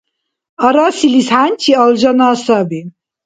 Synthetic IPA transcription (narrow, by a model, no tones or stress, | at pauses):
aɾasilishant͡ʃʰiɔlʒanaːsabi